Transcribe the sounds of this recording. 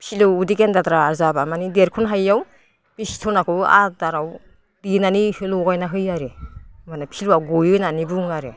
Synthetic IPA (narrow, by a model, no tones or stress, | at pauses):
pʰilɯudikendatɾaːɾzabamanideɾkʰɔnɦajːaw | b̥istʰɔnakʰɯa̰daɾaw | dinanihɯlɔɡajnaɦɯjaɾɯmanapʰilwawɡɔjɯnanibɯŋaɾe